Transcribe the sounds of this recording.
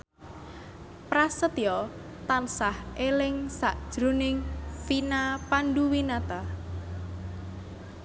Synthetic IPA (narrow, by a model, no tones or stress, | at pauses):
pɾasət̪jɔ | t̪ansahʔelɪŋsaʔd̥ʒ̥ɾunɪŋfinapanɖuwinat̪a